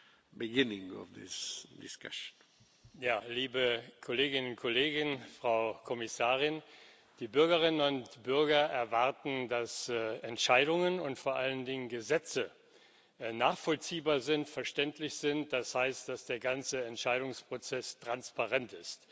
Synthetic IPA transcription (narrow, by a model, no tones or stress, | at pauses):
bɪɡɪnɪ̃ŋɔ̰vðɪ̰sdɪska̰ʃn̩ | jaːliːbəkʰoleːɡɪnʊntkʰɔleːɡɪnfʁ̥aʊkʰɔmɪsaːʁ̞ɪn | d̥iːbʏɐɡəʁ̞ɪnənʊntb̥ʏɐɡɐʔɛɐvaʁtn̩dasɛntʃaɪɾʊŋənʊntfoːɐʔaləndɪŋənɡəzɛt͡sə | naːχfɔlt͡siːbaːɐzɪntfɛɐʃtɛntʰlɪçz̥ɪntd̥ashaɪstd̥asd̥eːɐɡant͡səɛntʃaɪɾʊŋspʁ̥ot͡sɛstʁ̥anspaʁɛntɪst